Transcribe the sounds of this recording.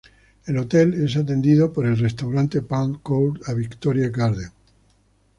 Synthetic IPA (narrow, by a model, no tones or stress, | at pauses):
elo̞t̪ele̞sat̪e̞nd̪iðopoɾe̞lrest̪awɾant̪e̞paŋkow̪aβikt̪oɾjakaɾðe